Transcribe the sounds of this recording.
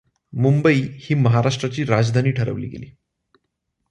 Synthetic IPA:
mumbəiːhiːməɦaɾaʂʈɾat͡ɕiːɾad͡zd̪ʱaniːʈʰəɾə̰ʋliːɡḛlḭː

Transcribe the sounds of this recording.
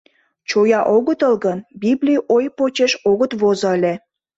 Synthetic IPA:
t͡ɕojɑʔoɣət̪əlɣənbiblʲijojpot͡ɕeʃoɣət̪βozəəlʲe

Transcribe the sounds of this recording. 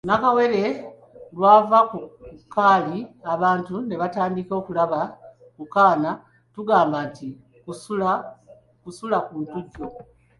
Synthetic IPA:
nakawe̞ɾe̞ | lwaːvakukːaːliaβaːntune̞βataːndiko̞kulaβa | kukaːna | tuɡaːmbanti | kusula | kusulakuːntuɟːo̞

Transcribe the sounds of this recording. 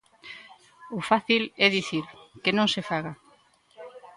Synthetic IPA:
ʊfaθilɛðiθiɾkenõŋsefaɣa

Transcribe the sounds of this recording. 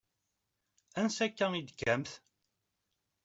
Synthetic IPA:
ænsækːæid̪əkːæmθ

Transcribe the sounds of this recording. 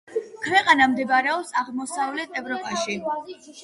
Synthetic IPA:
kʰwɛqʼanamd̪ɛbaɾɛɔpsaʁmɔsavlɛt̪ʰɛvɾɔpʼaʃi

